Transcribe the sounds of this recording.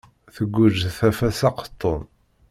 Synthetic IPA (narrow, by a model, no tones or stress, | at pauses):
θəɡʷːʊʒθæfæsɑqə̥t̪ˤːon